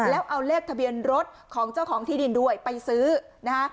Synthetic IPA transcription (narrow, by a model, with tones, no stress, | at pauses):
lɛː˦˥wʔa˧wleː˥˩k̚t̪ʰa˧bi˧ənɾo˦˥t̪̚kʰɔː˩˦ŋt͡ɕa˥˩wkʰɔː˩˦ŋt̪ʰiː˥˩i˧ndu˥˩əjpa˧jsɯː˦˥ | na˦˥kʰa˦˥